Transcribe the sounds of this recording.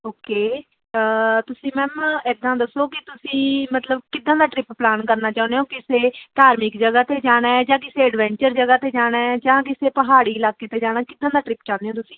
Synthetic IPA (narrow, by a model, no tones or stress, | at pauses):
oːkeː | ət̪ʊsĩːmɛ̃ːmɛd̪ãːd̪əsːoːkɪt̪ʊsĩːmət̪ləbkɪd̪ãːd̪aːʈɾɪpplaːnkəɾnaːt͡ʃaːnd̪eɦõːkɪseːʈaːɾmɪkd͡ʒəɡaːt̪eːd͡ʒaːɽ̃ɛːd͡ʒãːkɪseːəɖʋɛ̃ːɲt͡ʃəɾd͡ʒəɡaːt̪eːd͡ʒaːɽ̃ɛːd͡ʒãːkɪseːpəɦaːɽiːɪlaːkːeːt̪eːd͡ʒaːɽ̃aːkɪd̪ːãːd̪aːʈɾɪpt͡ʃãːnd̪eõːt̪ʊsĩː